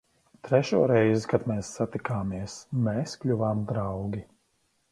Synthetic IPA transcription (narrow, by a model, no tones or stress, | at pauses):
t̪ɾɛʃuɔɾɛjzikad̪mɛːsːat̪ikaːmiɛsmeːsklʲuvaːmd̪ɾawɡʲi